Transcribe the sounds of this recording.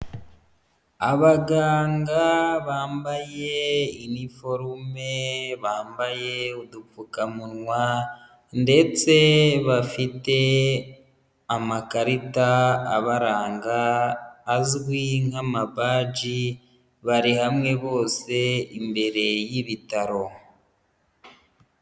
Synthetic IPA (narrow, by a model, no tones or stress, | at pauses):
aβaɡaːŋɡaβaːmbaje̞inifo̞ɾume̞βaːmbaje̞udufukamunŋwa | nde̞t͡se̞βafite̞ | amakaɾitaːβaɾaːŋɡaː | zɡwiŋamabaːd͡ʒi | βaɾihamŋe̞βo̞ːse̞imbe̞ɾe̞jiβitaɾo̞